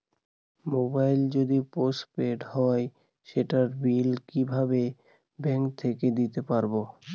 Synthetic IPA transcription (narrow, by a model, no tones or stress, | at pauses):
mobajld͡ʑod̪ipospeɖɦɔe | ʃeʈaɾbilkibʱabe | bɛŋkt̪ʰeked̪it̪epaɾbo